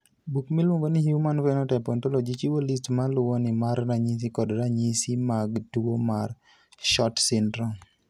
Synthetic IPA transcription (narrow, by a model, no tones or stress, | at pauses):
bukmilwoŋɡonɪhjumanvɛnɔtɛpɔntolod͡ʒit͡ʃiwolistmalʊwɔnɪmaɾnaɲis̬ikɔdɾaɲisimaɡduwomar | ʃɔtsɪndɾɔ